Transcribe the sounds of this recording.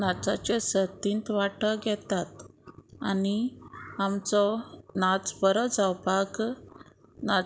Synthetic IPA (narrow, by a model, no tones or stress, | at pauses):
nat͡sat͡ɕesət̪int̪ʋaʈəɡʱɛt̪at̪aniamt͡sɔnat͡sbəɾəd͡zawpak | na